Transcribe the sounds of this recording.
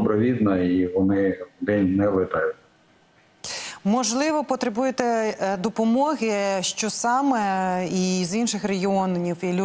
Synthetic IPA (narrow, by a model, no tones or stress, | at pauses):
bɾɔʋʲid̪nɐiʋɔnɪd̪ɛnʲnɛlˠɪt̪ɑjʊt̪̚ʲ | mɔʒlˠɪʋɔpɔt̪ɾebujet̪ɛd̪ɔpɔmɔɦɪʃt͡ʃɔsɑmɛizinʃɪxreɦʲiɔnnʲiwilʲ